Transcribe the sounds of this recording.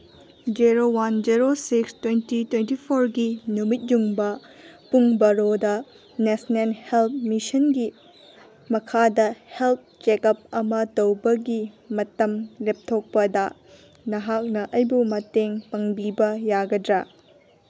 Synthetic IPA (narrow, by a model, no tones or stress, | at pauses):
d͡ʒiɾowand͡ʒiɾosikstwentitwentipʰoɾɡinumit̚juŋbɐ | puŋbɐɾodɐ | nesnelhelp̚misɐnɡi | mɐkʰadɐhelp̚t͡ʃekɐp̚ɐmɐtɐwbɐɡi | mɐtɐmlep̚tʰok̚pɐdɐ | nɐɦak̚nɐʔɐjbumɐteŋpɐŋbibɐjaɡɐdɾɐ